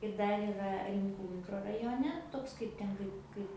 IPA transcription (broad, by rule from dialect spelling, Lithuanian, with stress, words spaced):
ɪr ˈdɐr iːˈrɐ rʲɪmˈkuː mʲɪkroːrɐjoːˈnʲɛ ˈtoːks ˈkɐɪp tʲɛn ˈkɐɪp ˈkɐɪp